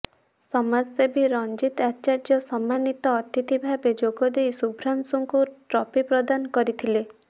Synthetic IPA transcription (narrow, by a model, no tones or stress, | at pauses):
sɔmad͡ʒsebiɾɔnd͡ʒit̪at͡ʃaɾd͡ʒjɔsɔmːanit̪ɔːt̪it̪ibʱabed͡ʒoɡɔd̪ejsubʱɾansuŋkuʈɾɔpipɾɔd̪anɔkɔɾit̪ʰile